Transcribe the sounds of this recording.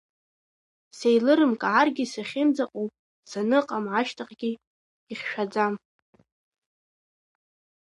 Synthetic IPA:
sejlɨɾɨmkʼaʕarɡʲisaχʲɪmd͡zaqʼopʼ | sanɨqʼamʕaʃtʰaqʼɡ̥ʲi | iχʲʃᶣad͡zam

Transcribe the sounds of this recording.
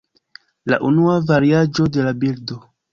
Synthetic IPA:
la̰ʔunuavaɾiad͡ʒo̞de̞labildo̞

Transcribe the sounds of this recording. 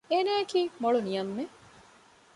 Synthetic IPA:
eːnæːkiːmoɭunijɐmːe

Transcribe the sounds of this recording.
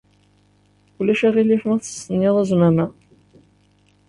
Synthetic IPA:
kulːæʃæʁilifmæθə̥sːənːɪðˤæzmæmæ

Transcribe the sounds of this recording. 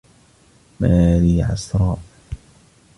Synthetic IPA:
maːliːʕɑ̰sɾˤɑːʔ

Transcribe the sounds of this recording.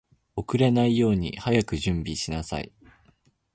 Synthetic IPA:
o̞kɯ̟ɾe̞naijo̞ːɲ̟ḭhajakɯ̟ʑɨ̃mbʲiɕinasa̰ḭ

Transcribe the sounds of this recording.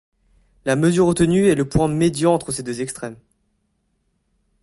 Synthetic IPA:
laməzyʁot̪ənyɛləpwɛ̃med̪jɑ̃ɑ̃t̪χəsed̪øzɛkst̪χɛm

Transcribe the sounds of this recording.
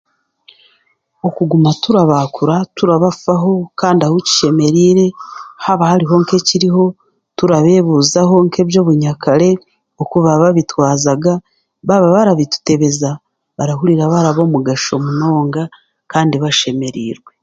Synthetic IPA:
okuɡumatuɾaβakuɾatuɾaβafaɦo̞kaːndiahuci̥ʃe̞me̞ɾiːɾe̞haβahaɾiɦo̞ŋke̞ciɾiɦo̞ | tuɾaβe̞ːβuzaɦo̞ŋke̞ːbjo̞ːβuɲakaɾe̞ | okuβaβaβitwaːzaɡa | βaβaβaɾaβitu̥te̞βe̞za | βaɾahuɾiɾaβaɾaβomuɡaʃo̞muno̞ːŋɡa | kaːndiβaʃe̞me̞ɾḭːɾwe̞

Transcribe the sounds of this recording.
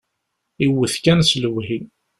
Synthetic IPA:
iwːəθkænsləwɦi

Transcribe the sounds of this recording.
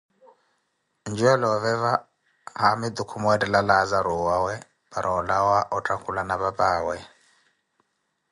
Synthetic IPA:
nd͡ʒuɛlɔɔvɛva | hamid̪ukʰumɔɛtʼɛlalazaɾuwawɛ | bʼaɾʔɔlawaʔɔtʼakʰulanaβapʼaːwɛ

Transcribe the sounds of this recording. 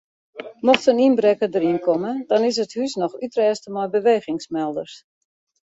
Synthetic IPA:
mɔxtəninbrɛkədəɾinkʰɔmədɑnɪs̬əthysnɔxytrɛːstəmɔjbəʋeːɣɪŋsmɛlˠdərs

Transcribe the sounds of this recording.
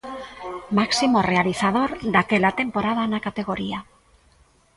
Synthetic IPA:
maksimore̞aliθað̞o̞ɾd̪akelat̪e̞mpo̞ɾað̞anakat̪eɣ̞o̞ɾia

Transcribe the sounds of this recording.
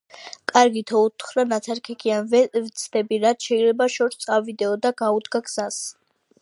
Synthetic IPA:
kʼaɾɡit̪ʰɔut̪χɾanat̪sʰaɾkʰɛkʰianvɛvt̪sʰd̪ɛbiɾat̪ʃɛilɛbaʃɔɾist̪sʼavid̪ɛɔd̪aɡaud̪ɡaɡz̥as

